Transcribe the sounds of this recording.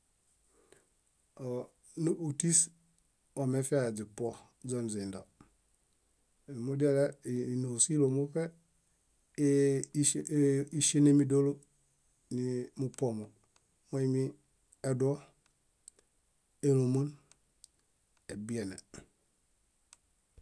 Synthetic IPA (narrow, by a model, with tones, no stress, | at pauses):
o˨ | nou˨ti˦s | o˨me˦fe˦a˦˨d͡ʒi˨po˦ | d͡ʒo˦nzi˨nda˨ | mu˦di˦e˦le˦˨no˨si˦lo˨mo˦fe˦ | i˦ʃe˦ne˦mi˦do˦lo˦ | ni˨mu˦po˨mo˨ | mo˦i˦mi˦ | e˨du˦o˦ | e˨lo˨mo˦n | e˨bi˨e˨nḛ˨